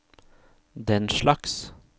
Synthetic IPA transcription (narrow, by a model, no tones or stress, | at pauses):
d̪ɛnʃlɑks